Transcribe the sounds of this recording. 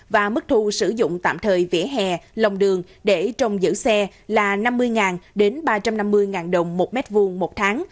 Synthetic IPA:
vaː˨˩mɨ˦˥k̚t̪ʰu˧sɨ˧˩zʊ̰˧˨ŋ͡mt̪a̰ː˧˨mt̪ʰəː˨˩jvḛ˧˥˩ɦɛ˨˩lə˨˩wŋ͡mɗɨ˨˩əŋ | ɗe˧˩t͡ɕə˧wŋ͡mzɨ̰˧˥sɛ˧ | laː˨˩na˧mːɨ˧əjŋaː˨˩nɗe˨˦nɓaː˧t͡ɕa˧mna˧mːɨ˧əjŋaː˨˩nɗə˨˩wŋ͡mmo˨˩t̚mɛ˦˥t̚vu˧əŋmo˨˩t̚t̪ʰaː˨˦ŋ

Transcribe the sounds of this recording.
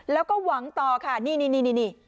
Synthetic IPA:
lɛː˦˥wkɔː˥˩wa˩˦ŋt̪ɔː˨˩kʰa˦˥˩niː˧˩niː˧niː˧˩niː˧˨niː˧˩

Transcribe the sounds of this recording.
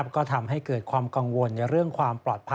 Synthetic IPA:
p̚kɔː˥˩t̪ʰa˧mɦa˥˩jkɤː˨˩t̪̚kʰwaː˧mka˧ŋwo˧nka˧˩ɾɯ˥˩əŋkʰwaː˧mplɔː˨˩t̪̚pʰ

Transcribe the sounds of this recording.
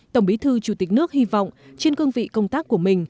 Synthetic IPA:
t̪ə˧˩wŋ͡mɓi˨˦t̪ʰɨ˧t͡ɕu˧˩t̪ï˨˩k̟̚nɨ˦˥ək̚hi˧va̰˧˨wŋ͡m | t͡ɕe˧nkə˧nvḭ˧˨kə˧wŋ͡mt̪aː˦˥kːu˧˩əmï˨˩ŋ̟

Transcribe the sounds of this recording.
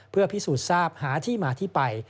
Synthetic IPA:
pʰɯ˥˩ɐpʰi˦˥suː˨˩t̪̚saː˥˩p̚haː˩˦t̪ʰiː˥˩maː˧t̪ʰiː˥˩pa˧j

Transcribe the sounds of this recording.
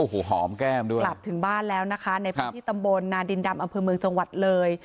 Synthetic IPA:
ʔoː˨˩hoː˨˩ɦɔː˩˦mkɛː˥˩mdu˥˩əkla˨˩p̚t̪ʰɯ˨˩˦ŋbaː˥˩nlɛː˦˥wna˦˥kʰa˦˥na˧jp̪ʰːiː˥˩t̪a˧mbo˧nːaː˧ndi˧nda˧mʔa˧mpʰɤː˧mɯ˧əŋt͡ɕa˧ŋwa˨˩t̪̚lɤː˧j

